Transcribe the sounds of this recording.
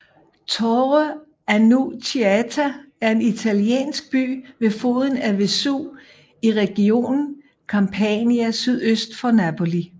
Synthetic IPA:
t͡sʰɒʁə | ænut͡sʰiæt͡sʰæ | æɐe̝nit͡sʰæljḛːnsɡ̥̚b̥y̰ːʋe̝fo̝ːð̞ˠən̩æʋe̝sṵ | iʁɛɡ̥io̝̰ːnn̩ | kʰɑ̈mpʰɛniæsyðˠøsd̥fɒ̽næpʰo̝li

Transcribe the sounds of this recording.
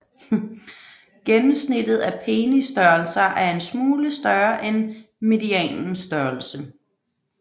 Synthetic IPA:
ɡ̥enm̩snid̥ð̞̩ˠæpʰe̝ːnisd̥ɶɐlsɐʔæɐe̝nsmuːləsd̥ɶɐʔen | me̝diɛ̰ːnn̩sd̥ɶɐl̩sə

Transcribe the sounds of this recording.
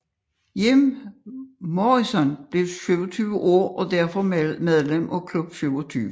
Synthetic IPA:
jem | mɒisɒ̽nb̥le̝ʊɕyʊɐt͡sʰyːʋəʔɔ̰ːɐ̰ʔɒ̽d̥æɐfɒ̽memeðˠlem̰ʔɒ̽kʰlub̥syʊɐt͡sʰyːʋə

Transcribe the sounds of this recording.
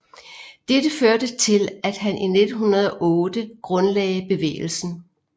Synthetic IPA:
d̥edəføɐd̥ət͡sʰe̝læd̥ɦænʔine̝d̥n̩ɦunɐð̞ˠɒ̽ʔɔ̽ːd̥əɡ̥ʁɔ̽nlɛɪb̥e̝ʋḛːl̩sn̩

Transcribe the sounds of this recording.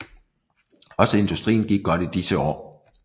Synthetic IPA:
ɒ̽səe̝nd̥usd̥ʁḭːn̩ɡ̥iɡ̥̚ɡ̥ɒ̽ɾ̥id̥isəɒ̰ː

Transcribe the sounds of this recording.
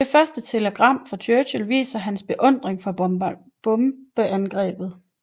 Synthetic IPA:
de̝fɶɐsd̥ət͡sʰe̝ləɡ̥ʁɑ̈m̰fɒ̽t͡ɕʰøːɕəlʋḭːsɐɦænsb̥e̝ʔɔ̽n̰d̥ʁeŋfɒ | b̥ɔ̽mb̥əʔænɡ̥ʁɛ̰ːb̥ð̞̩ˠ

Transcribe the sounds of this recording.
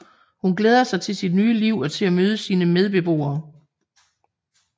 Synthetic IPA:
hunɡ̥leːð̞ˠɐsɑ̈ɪt͡sʰe̝lsid̥nyːəliʊ̰ɒ̽t͡sʰe̝læmøːð̞ˠəsiːnəmeð̞ˠb̥e̝b̥ʁo̝̰ːɐː

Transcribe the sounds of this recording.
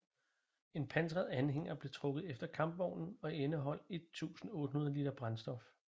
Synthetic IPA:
e̝npʰænt͡sʁɐð̞̩ˠænɦeŋ̰ɐb̥le̝t͡sʰʁɔ̽ɡ̥ð̩ˠefd̥ɐkʰɑ̈mb̥ʋɒʊnn̩ɒ̽enəɦɒ̽l̰e̝d̥̚t͡sʰṵːsn̩ɔ̽ːd̥əhunðˠɐliːd̥ɐb̥ʁɑ̈nsd̥ɒ̽f

